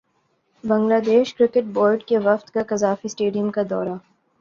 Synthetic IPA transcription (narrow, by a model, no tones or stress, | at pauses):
bɐ̃ŋɡlaːd̪eːʃkɾɪkɪʈ̚bɔːɪɖkeʋɐft̪kakɐzaːfisʈeːɖijəmkad̪ɔ̰ːɾa